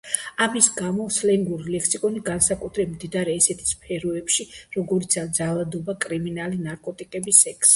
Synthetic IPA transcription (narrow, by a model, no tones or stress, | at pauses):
amisɡamɔslɛŋɡuɾilɛkʰsikʼɔniɡansakʼut̪ʰɾɛbmd̪id̪aɾɛːsɛt̪ʰi̥spʰɛɾɔɛpʃiɾɔɡɔɾit̪sʰad̪zalˠad̪ɔbakʼɾiminalinaɾkʼɔt̪ʼikʼɛbisɛkʰs